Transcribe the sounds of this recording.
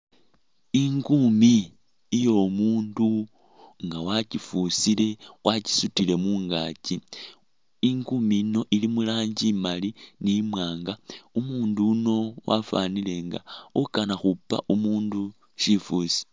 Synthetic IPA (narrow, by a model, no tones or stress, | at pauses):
iŋɡumiː | jo̞muːndu | ŋɡawacifusile̞wʔaci̥sutile̞muːŋɡaci | iŋɡumino̞ʔilimulaːɲɟimalinimwaːŋɡaumuːnduno̞wa̰fa̰nile̞ŋɡa̰ukanaxupːa̰ʔumuːndu | ʃifusi̥